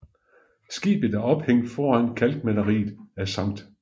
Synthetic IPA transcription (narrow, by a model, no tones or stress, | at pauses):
sɡ̥ḭːb̥əð̩ˠæɐɒ̽b̥heŋ̰d̥fɒːænkʰæld̥mælɐʁḭːð̩ˠæsɑ̈ŋ̰d̥